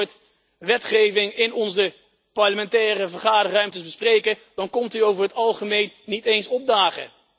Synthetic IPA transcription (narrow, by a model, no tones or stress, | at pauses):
ɹt | ʋɛtχejvɪŋɪnɔnzə | pɑɹləmɛntɛːrəvəɹχaːdərœɥmtəzbəsprejkəd̥ɑnkɔmtyowvəɹɦətɑlˠχəmejnːitejnsɔb̚daːχə̰